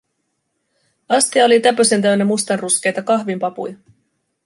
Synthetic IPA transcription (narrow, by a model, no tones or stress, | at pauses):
ɑst̪iɑo̞lit̪æpøse̞nt̪̬æɥnːemust̪ɑnrusk̟e̞jt̪ɑkɑhʋimpɑpṵjɑ